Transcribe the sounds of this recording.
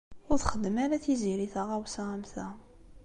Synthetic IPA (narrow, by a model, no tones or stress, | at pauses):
ʊɾθχəd̪ːəmæɾæθiziɾiθaʁæwsʁæmθæ